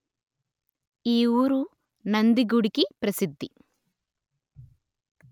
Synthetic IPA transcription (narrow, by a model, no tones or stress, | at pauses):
iːuːɾu | nɐnd̪iɡuɽikipɾɐsid̪ʱːi